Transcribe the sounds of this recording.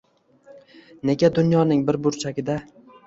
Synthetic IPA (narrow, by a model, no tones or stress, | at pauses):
ne̞ɡʲad̪ʊnjɒnɪŋbɪɾbʊɾt͡ʃʰaɡʲɪd̪a